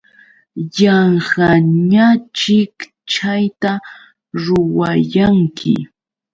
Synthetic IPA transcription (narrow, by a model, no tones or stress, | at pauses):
jɑɴhɑɲat͡ʃɪk | t͡ʃajt̪a | ɾʊwajaŋkʰɪ̰